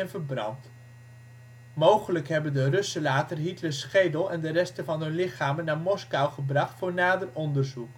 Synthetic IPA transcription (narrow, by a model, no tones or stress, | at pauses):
ɛnvəɹbrɑ̰nt | mowχələkɦɛbəndərɵsəlaːtərɦitləɹsχejdəlˠɛndərɛstəvɑnɦɵnlɪχaːmənːaːɹmɔskawχəbrɑχtfʊːɹnaːdərɔndəɹzuk